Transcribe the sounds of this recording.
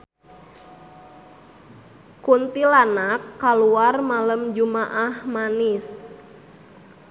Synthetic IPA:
kunt̪ilanakːaluarmaləmd͡ʒumaʔahmanɪs

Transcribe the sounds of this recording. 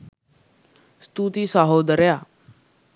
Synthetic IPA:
st̪uːt̪iːsaːɦoːd̪əɾjaː

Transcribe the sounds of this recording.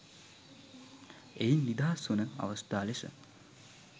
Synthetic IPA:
einːid̪aːsʋunəa̰ʋɐst̪aːlesə̰

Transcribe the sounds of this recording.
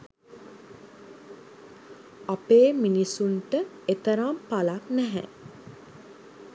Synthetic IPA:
apeːminisuɳʈə | et̪əɾampalaknæɦɛ̰

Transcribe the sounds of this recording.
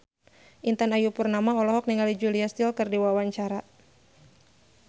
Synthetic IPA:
ʔint̪anajupurnamaɔlɔɦɔk̚niŋɡalid͡ʒuliast̪ɪlkɨrdiwawaɲt͡ʃaɾa

